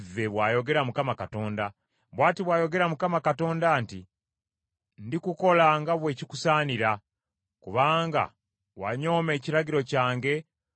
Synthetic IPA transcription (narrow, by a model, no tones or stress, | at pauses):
vːe̞βwaːjo̞ɡe̞ɾamukamakato̞ːnda | βwaːtiβwaːjo̞ɡe̞ɾamukamakato̞ːndaːnti | ndikuko̞laŋɡaβwe̞ːciku̥saːniɾa | kuβaːŋɡa̰ | wa̰ɲo̞ːme̞ːciɾaɡiɾo̞caːŋɡe̞